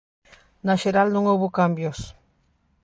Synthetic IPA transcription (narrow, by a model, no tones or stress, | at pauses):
naʃeɾalnõŋowβokambjos